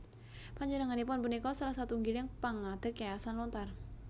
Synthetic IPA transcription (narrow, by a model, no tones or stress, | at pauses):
paɲd͡ʒənəŋanipʊnbunikɔsalahsat̪uŋɡilaŋpaŋad̪̥əkaasanlɔnt̪ar